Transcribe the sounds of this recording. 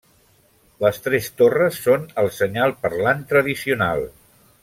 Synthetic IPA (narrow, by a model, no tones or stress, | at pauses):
ləst̪ɾɛst̪orəsːonəlˠsəɲalˠpəɾlant̪ɾəðisiuna̰lˠ